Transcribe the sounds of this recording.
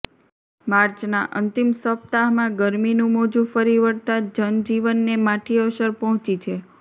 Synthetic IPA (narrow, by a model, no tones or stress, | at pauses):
maɾt͡ʃnaʔənt̪imsəpt̪aɦmãɡəɾminũmod͡ʒũfəɾiʋəɾt̪ad͡ʒənd͡ʒiʋənːemãʈʰioʃəɾpɔɦɔ̃t͡ʃit͡ʃʰe